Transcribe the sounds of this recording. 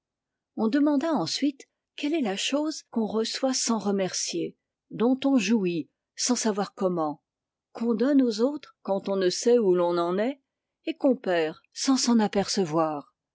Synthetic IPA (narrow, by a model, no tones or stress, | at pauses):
ɔ̃d̪əmɑ̃d̪aɑ̃sɥit̪ | kʲɛlɛlaʃozkɔ̃ʁəswasɑ̃ʁəmɛʁsje | d̪ɔ̃t̪ɔ̃ʒui | sɑ̃savwaʁkɔmɑ̃ | kɔ̃d̪ɔnozot̪χkɑ̃t̪ɔ̃nəsɛulɔ̃nɑ̃nɛ | ekɔ̃pɛːʁ | sɑ̃sɑ̃napɛʁsəvwaːʁ